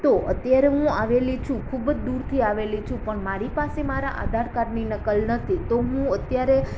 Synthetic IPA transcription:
t̪oət̪jaɾeɦũaʋelit͡ʃʰũkʰubəd͡ʒd̪uɾt̪ʰiaʋelit͡ʃʰũpəɳmaɾipasemaɾa̰ʔa̰d̪ʱaɾkaɾninəkəlnət̪ʰit̪oɦũət̪jaɾe

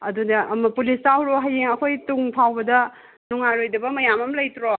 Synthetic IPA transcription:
ɐdudɐʔɐmɐpulistawɾoɦajeŋɐkʰojtuŋpʰawbɐdɐ | nuŋaɾojdɐbɐmɐjamɐmlɐjtɾo

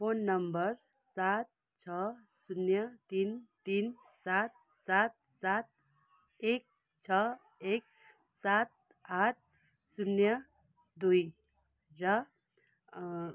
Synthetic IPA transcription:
pʰonːəmbəɾ | sat̪̚ | t͡ʃʰʌsunjət̪int̪in | sat̪̚ | sat̪̚sat̪̚ | ek̚ | t͡ʃʰʌ | ek̚ | sat̪̚ | aʈ̚ʰ | sunjə | d̪uj | ɾʌ

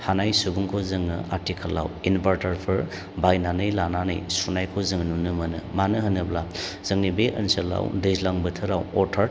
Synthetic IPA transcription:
hanajsubuŋkʰozɯŋɯ̰ʔa̰ɾtʰikʰalːa̰winbaɾtaɾpʰɯɾ | bajnanɯjlananɯ̰jsunajkʰozɯŋnunɯmɯnɯ̰manɯɦɯnɯblaz̥ɯŋnibeʔənsɐla̰wdɯzlaŋbɯtʰɯɾawɔɾtʰaɾ

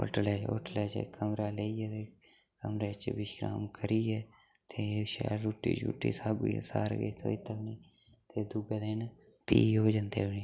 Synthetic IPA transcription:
o̰ʈlɛːo̰ːʈlɛːt͡ʃə̰kʰəmɾaːleːiɛːt̪eː | kəmɾeːt͡ʃbɪʃɡɾa̰ːmkəɾiːɛː | t̪ʰeʃa̰ɾuːʈːḭːt͡ʃṵːʈːḭːsəbḭsa̰ːɾɡḛt̪ʰo̰ːit̪əkniː | t̪eːd̪ʊɡed̪eːn | piːɦoːd͡ʒand̪eːɦoniː

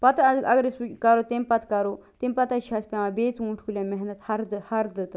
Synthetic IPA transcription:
pɐt̪ɐɐɡəɾisut͡ʃkaɾot̪empɐt̪kɐɾot̪empɐt̪ɐʃʰaːspʲaʋãːbeːt͡suɳʈʰkulʲãːmeɦnɐt̪hɐɾd̪ɨhɐɾd̪ɨt̪

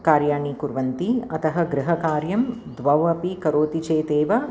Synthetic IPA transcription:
kaːɾjaːɳikuɾʋɐnt̪iɐt̪ɐɦɐɡɾɪɦɐkaːɾjɐmd̪ʋɐʋɐpikɐɾoːt̪it͡ʃeːt̪eːʋɐ

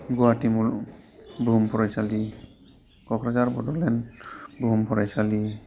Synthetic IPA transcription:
ɡuatimul | bʱumpʰɔɹajsali | kɔkɾazaɹbɔdɔlɛnbʱuumpʰɔɾajsali

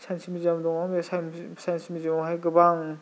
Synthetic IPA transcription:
sʰansʰimid͡ʒiamdɔŋamesasansʰimid͡ʒimɔɦajɡɯbaŋ

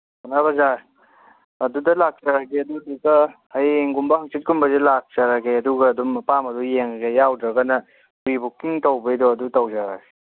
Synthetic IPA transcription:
banabɐza | ɐdudɐlak̚t͡ʃaɾakeɐdudukɐhajŋɡumbɐhɐŋt͡ʃit̚ɡumbɐzelak̚t͡ʃaɾaɡeɐduɡɐːdumɐpamɐdujeŋɡejawdɾɐɡɐnɐ | bibukːiŋtɐwbɐjdɔɐdutɐwzaɾaɡe

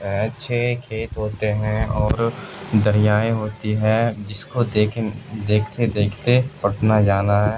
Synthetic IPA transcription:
ɐtːʃʰekʰeːt̪ɦoːt̪eɦɛ̃ɔːɾd̪əɾɪjaːẽɦoːt̪iɦɛd͡ʒɪskokʰd̪eːkʰt̪ed̪eːkʰt̪epɐʈʰnad͡ʒaːnaɦɛː

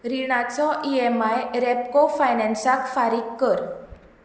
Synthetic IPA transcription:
ɾiɽ̃at͡sɔʔiemajɾɛpkofajnɛ̃nsakfaɾikːəɾ

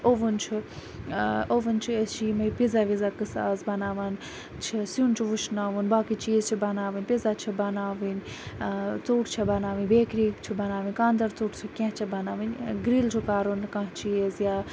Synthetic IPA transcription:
oʋunt͡ʃʰi | oʋɨnt͡ʃʰiət͡ʃimɐpizaʋizakɨsaːzbɐnaːʋan | t͡ʃʰisunt͡ʃʰiʋuʃnaːʋunbaːkit͡ʃiːzt͡ʃʰibɐnaːʋinʲpizat͡ʃʰibɐnaːʋinʲ | t͡suːʈt͡ʃʰibɐnaːʋɨnʲbeːkɾiːkt͡ʃʰibɐnaːʋinʲkaːnd̪ɐɾt͡suːʈt͡ʃʰikʲẽɦt͡ʃʰibɐnaːʋɨnʲɡɾiːlt͡ʃʰukaːɾunkãɦt͡ʃiezja

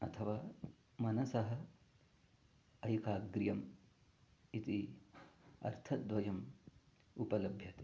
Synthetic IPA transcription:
ɐ̰t̪ʰɐʋaː | mɐnɐsɐɦɐ̆ | ɐjkaːɡɾijɐm | it̪i | ɐ̰ɾt̪ʰɐd̪ʋɐjɐm | upɐlɐbʱjɐt̪

